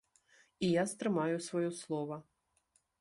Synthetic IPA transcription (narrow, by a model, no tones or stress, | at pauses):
ijast̪ɾɨmajʊsvɔjɔslˠɔʋɐ